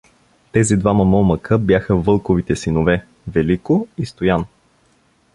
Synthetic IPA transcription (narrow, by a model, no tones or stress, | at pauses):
t̪ɛzid̪vaməmɔməkʰəbjaxəvɤlˠkovit̪ɛsinovɛ | vɛlikoist̪ojan